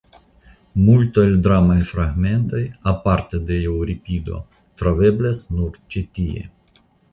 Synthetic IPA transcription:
mult̪aeld̪ɾamajfɾaɡme̞nt̪ojapaɾt̪ed̪eewɾipid̪o̞̰ | t̪ɾove̞blasnuɾt͡ʃit̪iḛ

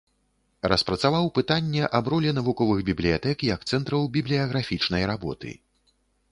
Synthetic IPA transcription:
rɐspɾɐt̪savawpɨt̪anʲːɛʔabɾɔlʲɛnɐvukɔvɨɣbʲiblʲijat̪ɛkjɐkt̪sɛnt̪ɾɐwbʲiblʲijɐɣɾafʲit͡ʂnɐjɾabɔt̪ɨ̰

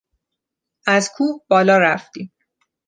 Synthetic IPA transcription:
ʔæzkʰuːbɒːlɒːɾæft̪iːm

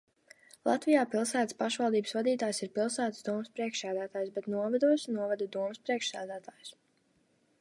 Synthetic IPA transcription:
lˠa̰t̪vijaːpilˠsæːt̪ə̥spaʃvalˠd̪iːbɨsvad̪iːt̪aːjsiɾpilˠsæːt̪ə̥sd̪uɔmɨspɾiɛkʃsæːd̪æːt̪aːjusbɛt̪nuɔvad̪uɔsnuɔvad̪ud̪uɔmɨspɾiɛkʃsæːd̪æːt̪aːju̥s

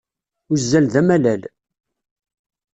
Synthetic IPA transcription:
ʊzːælðæmælæl

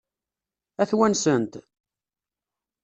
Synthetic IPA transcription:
æθwænsənt̪

